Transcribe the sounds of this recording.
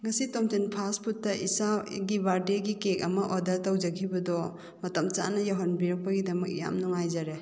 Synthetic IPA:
ŋɐsitɔmtenpʰaspʰutːɐʔisaɡibaɾdeɡikekɐmɐʔɔdɐɾtɐwd͡ʒɐkʰibɐdɔ | mɐtɐmt͡ʃa̰nɐjawɦɔnbiɾɐk̚pɐɡidɐmɐk̚ḭja̰mnuŋajzaɾe

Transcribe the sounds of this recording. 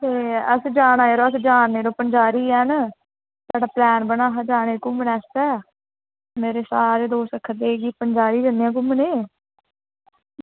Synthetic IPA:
t̪eːəsd͡ʒaːnaːeːɾoːəsd͡ʒaːnːeːɾoːpənd͡ʒaːɾiːɛn | saːɖaːplɛːnbənaːɦad͡ʒaːɽ̃eːkʊmnɛːst̪ɛː | meːɾeːsaːɾeːd̪oːsəkʰːəd̪eːɡiːpəɲd͡ʒaːɾiːd͡ʒanejãːk̬ʊmneː

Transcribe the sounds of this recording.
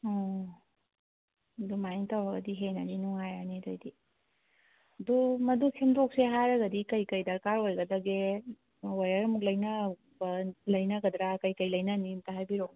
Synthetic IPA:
ɔ | dumajntawɾɐɡɐdiɦenɐdinuŋajanidojdi | dumɐdusʰemdok̚seɦajɾɐɡɐdikɐjkɐjdɐɾkaɾojɡɐdɐɡe | wajaɾɐmuk̚lɐjnɐ | lɐjnɐɡɐd̪ɾakɐjkɐjlɐjnɐnimtaɦajbiɾoŋ

